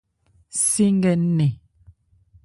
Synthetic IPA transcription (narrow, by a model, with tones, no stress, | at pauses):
si˦ŋ˦ɡɛ˨n˦ne˨